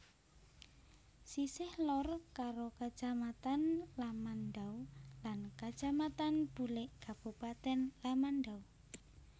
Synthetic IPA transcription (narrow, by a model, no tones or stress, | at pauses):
sisɪhlɔrkaɾokḁd͡ʒ̥amat̪anlamanɖawlankḁʒ̥amat̪anb̥ulɪʔkab̥upat̪ɛnlamanɖaw